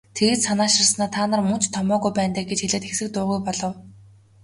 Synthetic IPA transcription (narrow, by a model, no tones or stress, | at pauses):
t̪ʰeɣɘ̆t̪sanaːʃărsnaːt̪ʰaːnə̆rmɵn̥t͡ɕt̪ʰːɔmɔːɣujpæːnt̪æːɡet͡ɕxeɮeːt̪xexsɘ̆k̚t̪ʊːɣujpɔɮɞ̆w